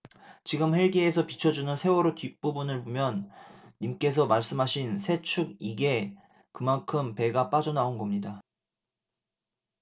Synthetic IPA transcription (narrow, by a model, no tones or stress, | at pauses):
t͡ɕiɡɯmɸe̞ɭɡeːsʰʌpit͡ɕʰʌd͡ʑunɯnsʰe̞wʌɾotɥip͈ubunɯɭpomjʌnːimk͈e̞s̬ʰʌmaɭs͈ɯmɦaɕʰinsʰe̞t͡ɕʰuɡiɡe̞ | kɯmankʰɯmpe̞ɡap͈ad͡ʑʌnaonɡʌmɲida